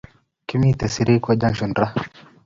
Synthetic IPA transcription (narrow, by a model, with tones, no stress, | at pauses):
ki˦mi˦t̪ɛ˨si˨ɾi˦kɔ˦d͡ʒa˦nʃu˨nɾa˦